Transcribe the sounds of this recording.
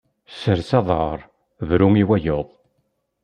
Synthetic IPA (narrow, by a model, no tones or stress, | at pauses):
səɾsɑðˤəɾˤ | vɾumiwæjoðˤ